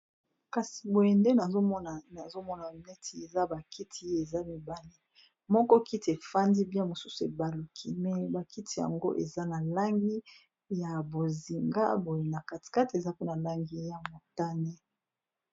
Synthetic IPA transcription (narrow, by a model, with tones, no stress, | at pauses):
ka˨si̥˨bo˨je˨nde˦na˨zo˦mɔ˦na˨na˨zo˦mɔ˦na˨nɛ˦tʰi˨˦e˨za˦ba˨kʰi˦tʰi˨˦e˦e˨za˦mi˨ba˨li˦ | mɔ˦kɔ˦ki˦ti˨e˨fa˦ndi˦bi˦a˦mo˨su˦su˨e˨ba˨lu˨kʰi˨mɛ˨ba˨ki˦ti˨ja̰˨ŋɡo̰˦ʔḛ˨za˦na˨la˦ŋɡi˦ | ja˨bo˨zi˨ŋɡa̰˦bo˨je˨na˨ka˨ti̥˨ka˦ti˨e˨za˦pe˦na˨la˦ŋɡi˦ja˨mo˨ta˦ne˦